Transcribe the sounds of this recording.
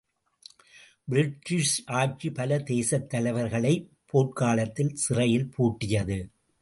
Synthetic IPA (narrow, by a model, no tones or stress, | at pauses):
bɪɾɪʈːɪʂʔaːʈ̚t͡ʃipɐlɐd̪eːsɐt̪ːɐlɐɪʋɐɾɣɐɭɐɪpʰːoːʈ̚kaːlɐt̪ːɪlsɪrɐjɪlpʰuːʈːɪjɐðɯ